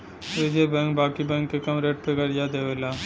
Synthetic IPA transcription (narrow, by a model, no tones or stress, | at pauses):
ed͡ʒebɛ̃ːŋk̚baːkibɛ̃ːŋkːekɐmɾeʈ̚pekəɾjad̪eʋela